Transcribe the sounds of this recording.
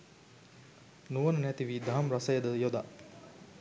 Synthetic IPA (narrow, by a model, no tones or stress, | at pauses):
nuʋɐnənɛt̪iʋiːd̪aɦɐmɾɐsɐjəd̪əjod̪a̰